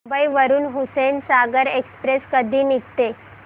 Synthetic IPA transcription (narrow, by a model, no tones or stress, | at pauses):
baiʋəɾuːnɦusensaɡəɾekspɾeskəd̪ʱiːnikt̪e